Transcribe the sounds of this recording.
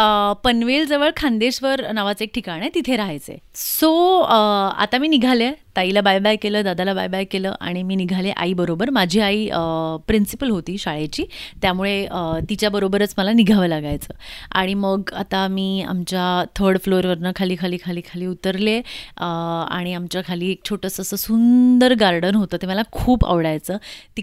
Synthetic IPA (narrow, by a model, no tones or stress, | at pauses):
əpənʋeld͡zəʋəɭkʰand̪eɕʋəɾnaʋat͡sek̚ʈʰikaɽ̃əjt̪it̪ʰeɾaɦajt͡sḛso | a̰t̪amiːniɡʱalet̪ailabajbajkeləːd̪ad̪alaba̰jbajkeləːʔa̰ɽ̃imiːniɡʱaleʔa̰ibəɾobəɾmad͡ʑʱiːaiəpɾinsi̥pəlɦot̪iːɕaɭat͡ɕiːt̪jamuɭeət̪it͡ɕjabəɾobəɾət͡sməlaniɡʱaʋəlaɡajt͡sə̰ːa̰ɽ̃iməɡa̰t̪amiːa̰mt͡ɕjat̪ʰəɾɽfloɾʋəɾnəkʰaliːkʰaliːkʰaliːkʰaliːut̪əɾleəa̰ɽ̃iamt͡ɕjakʰaliːek̚t͡ɕʰoʈəsəsəsund̪əɾɡaɾɖənɦot̪əːt̪eməlakʰuːba̰ʋɽajt͡səːt̪i